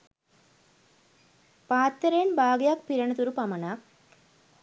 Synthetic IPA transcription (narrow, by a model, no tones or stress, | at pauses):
paːt̪ːɐɾejnbaːɡjaːk̚piɾɐɳɐt̪uɾupɐmɐnak